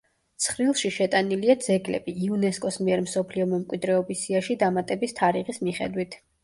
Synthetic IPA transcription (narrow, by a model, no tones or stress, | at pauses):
tt̪sʰχɾilˠʃiʃɛt̪ʼaniliad̪z̥ɛɡlɛ̰biːunɛskʼɔsmiɛɾmsɔpʰliɔmɛmkʼwid̪ɾɛɔbisiaʃid̪amat̪ʼɛbist̪ʰaɾiʁismiχɛ̰d̪wit̪ʰ